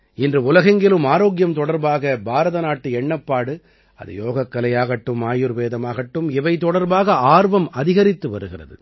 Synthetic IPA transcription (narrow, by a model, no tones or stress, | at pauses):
ɪndrɯʊlɐɣɐŋɡɪlɯmaːɾoːɣɪjɐmt̪ɔɽɐɾbaːɣɐbʱaːɾɐðɐnaːʈːɯɛɳːɐpːaːɽɯ | ɐ̰ðɯ̰joːɣɐkːɐlɐjaːɣɐʈːɯmːaːjɯɾʋeːðɐmaːɣɐʈːɯmɪʋɐɪt̪ɔɽɐɾbaːɣɐaːɾʋɐmɐðɪɣɐɾɪt̪ːɯʋɐɾɯɣɪrɐ̰ðɯ̰